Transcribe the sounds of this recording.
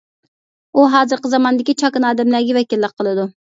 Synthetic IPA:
uɦɑːzɨɾqəzɑmɑnd̪ɪkʲit͡ʃʰɑkɨnɑːd̪ɛmlæɡʲɛvɛkʲilːəqʰːəlˠɨd̪u

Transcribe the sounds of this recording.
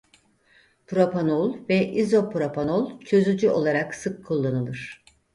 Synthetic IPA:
pʰɾopʰanolˠvɛʔizo̞pʰɾopʰanolˠt͡ʃʰø̞zyd͡ʒyʔo̞̰lˠaɾaksɯkʰːulˠːanɯlˠɯɾ̥

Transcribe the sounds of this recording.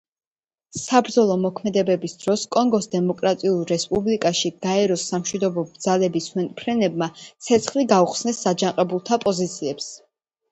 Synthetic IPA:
sabɾd̪zɔlˠɔmɔkʰmɛd̪ɛbɛbisd̪ɾɔskʼɔŋɡɔsd̪ɛmɔkʼɾat̪ʼiulˠɾɛspʼublikʼaʃiɡ̥aɛɾɔsːamʃwid̪ɔbɔbd̪zalɛbiswɛnpʰɾɛnɛbmat̪sʰɛt̪sʰχliɡauχsnɛsːad͡ʒaŋqʼɛbulˠt̪ʰapʼɔzit̪sʰiɛps

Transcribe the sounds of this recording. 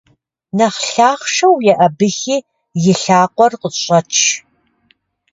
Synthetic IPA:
nɐχɬaːχʂɐwjɛʔɐbɨxiː | jɪɬaːqʷɔrqəɕʼɐt͡ʃʰ

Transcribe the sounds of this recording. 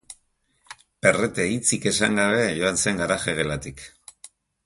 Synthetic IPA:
pe̞re̞t̪e̞it͡sike̞sa̰ŋɡaβe̞ʝo̞anse̞ŋɡaɾaxe̞ɣ̞e̞lat̪ik

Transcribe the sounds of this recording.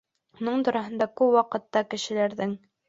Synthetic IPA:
unɤɴt̪ŏɾɑɦɤ̆nd̪ɑkʉpwɑqɤ̆t̪ːɑkɘ̆ʃɘ̆læɾðɘŋ

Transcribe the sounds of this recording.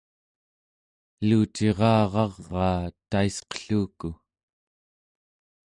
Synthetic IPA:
luːt͡ʃe̞ʁɑːʁɑʁːɑːt̪aisqə̥ɬuːku

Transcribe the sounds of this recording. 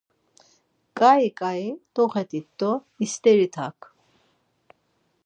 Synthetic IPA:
kʼaikʼaid̪ɔχɛt̪ʼit̪d̪ɔ | ist̪ʼɛɾit̪ʰa̰kʰ

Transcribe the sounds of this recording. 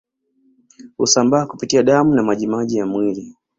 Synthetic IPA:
hṵsambaːku̥pitiaɗamunamaʄimaʄijamwili

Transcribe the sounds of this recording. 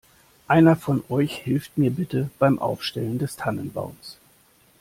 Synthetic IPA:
ʔaɪnɐfɔnʔɔʏçhɪlftmiːɐbɪtəb̥aɪmʔa̰ʊfʃtɛləndɛstʰanənba̰ʊns

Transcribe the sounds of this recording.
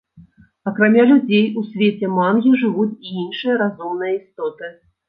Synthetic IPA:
ɐkɾamʲalʲud͡zʲejusʲvʲet͡sʲɛmanɣʲiʐɨvut͡sʲiinʂɨjɐɾazumn̪ɨjɐist̪ɔt̪ɨ

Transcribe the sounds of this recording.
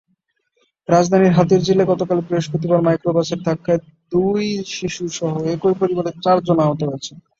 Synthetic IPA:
ɾad͡ʑd̪ʱaniɾɦat̪eɾd͡ʑilːeɡɔt̪okalepɾoɦoʃpot̪̬ibaɾmajkɾobaseɾd̪ʱakːae | d̪ujʃiʃuʃɔɦoekojpɾoɾibad̪eɾt͡ɕaɾd͡ʑonaɦot̪oɦojet͡ɕʰe

